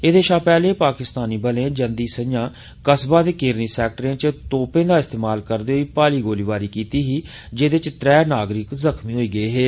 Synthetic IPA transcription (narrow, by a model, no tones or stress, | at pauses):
eːd̪eːʃãːpɛːleːpaːkɪst̪aːniːbəlẽːd͡ʒənd̪iːsəjãː | kəsbaːd̪eːkeːɾniːsɛːk̚ʈəɾẽːt͡ʃət̪oːpẽːd̪aːɪst̪eːmaːlkəɾd̪eːɦoiːpaːliːɡoːliːʋaːɾiːkiːt̪iːɦiː | d͡ʒeːd̪ɪt͡ʃt̪ɾɛːnaːɡɾɪkzəkʰmiːɦoːiːɡəeːɦeː